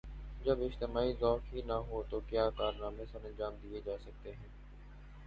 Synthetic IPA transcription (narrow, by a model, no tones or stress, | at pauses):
d͡ʒɐbɪd͡ʒt̪ɪmaːizɔːʈɦinɐɦot̪okjaːkaːɾnaːmẽsɐɾɐ̃nd͡ʒaːmd̪ied͡ʒaːsɐk̚t̪eɦɛ̃ː